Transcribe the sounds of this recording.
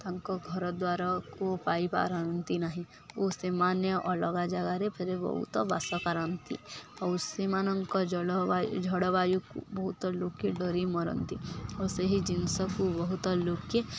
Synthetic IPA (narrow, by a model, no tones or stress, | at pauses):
t̪aŋkɔɡʱɔɾɔd̪waɾakopaipa̰ɾant̪inaɦĩ | osemanjɔʔɔlɔɡad͡ʒaɡaɾepʰeɾebɔ̰ɦṵt̪ɔba̰sɔkaɾant̪ḭɔsemanɔŋkɔd͡ʒɽad͡ʒʱɔɽɔbajukṵbɔɦut̪ɔlokːeɖɔɾimɔɾɔ̰nt̪ioseɦid͡ʒinsɔkubɔɦut̪ɔlokːe